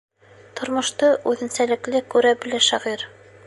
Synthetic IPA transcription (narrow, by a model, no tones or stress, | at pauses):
t̪ŏɾmŏʃt̪ɤʔʉðɘ̆nsælɘ̆klɘkʉɾæbɘ̆læʃæʁiɾ